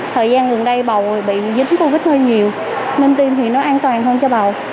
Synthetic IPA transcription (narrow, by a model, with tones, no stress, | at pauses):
t̪ʰəː˨˩jzaː˧nɣə˨˩nɗə˧jɓa˨˩wɓḭ˧˨zi˨˦ŋko˧vi˦˥t̚həː˧nɲi˨˩əw | mï˧ŋ̟t̪i˧mt̪ʰi˨˩nɔ˨˦ʔaː˧nt̪waː˨˩nɦəː˧nt͡ɕɔ˧ɓa˨˩w